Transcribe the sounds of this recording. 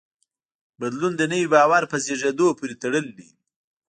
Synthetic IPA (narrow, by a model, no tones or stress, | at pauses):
bad̪lund̪ənəwibɑwaɾpəzeʐed̪opoɾet̪aɽəld̪i